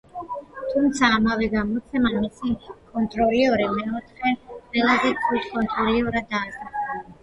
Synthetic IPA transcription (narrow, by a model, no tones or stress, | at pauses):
t̪ʰumt̪sʰaːmavɛɡamɔt̪sʰɛmamisikʼɔnt̪ʼɾɔɾiɔɾimɛɔt̪ʰχɛqʼvɛlˠazɛt̪ʰut̪ʰkʼɔnt̪ʼɾɔɾiɔɾad̪ːaːsaχala